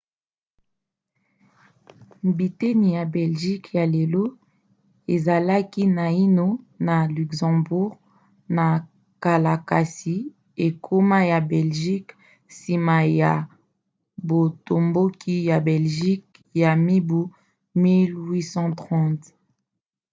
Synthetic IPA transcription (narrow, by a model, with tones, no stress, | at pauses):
bi˨te˦ni˨ja˨bɛ˨lʒi˦kja˨le˨lo˦ | e˨za˨la˦ki˦na˨i˦no˦na˨ly˨ksɑ̃˨bu˦ʁ | na˨ | ka˨la˨ka˨si˨ | e˨kʰo˦ma˦ja˨bɛ˨lʒi˦k | si˨ma˨ja˨ | bo˨to˨mbo˦kʰi˦ja˨bɛ˨lʒi˦k̚ | ja˨mi˦bu˦ | mi˦lwi˦sɑ̃˦tʁɑ̃˦t